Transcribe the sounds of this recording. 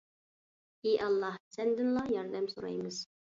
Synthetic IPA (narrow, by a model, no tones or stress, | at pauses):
iʔɑlˠːɑhsænd̪ɘnlˠɑjɑɾd̪æmsuɾɑ̰jmɤz̥